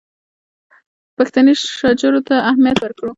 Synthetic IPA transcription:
paxt̪aniʃɑd͡ʒaɾot̪aːhmjat̪waɾkɽu

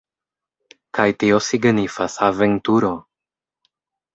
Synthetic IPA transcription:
kajtio̞siɡnifasaventuɾo̞

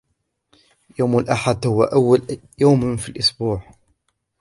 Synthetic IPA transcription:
jawmalʔaħad̪hʊwa̰ʔawːal | jawmfilʔʊsbuːʕ

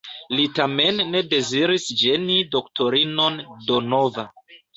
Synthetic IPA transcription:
litame̞nːe̞de̞ziɾisd͡ʒe̞nido̞ktʰo̞ɾino̞ndonova

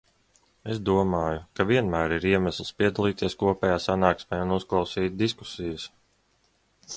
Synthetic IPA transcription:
ezd̪uɔmaːjukaviɛnmæːɾiɾiɛmæslˠspiɛd̪alˠiːt̪iɛskuɔpʲɛːjaːsanaːksmʲɛːunusklˠawsiːt̪̚ʲd̪isku̥sijəs

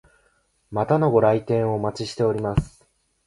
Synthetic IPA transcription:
mat̪ano̞ɡo̞ɾait̪ẽ̞ɰ̃o̞ːmat͡ɕiɕi̥t̪e̞o̞ɾʲimasɨ̥

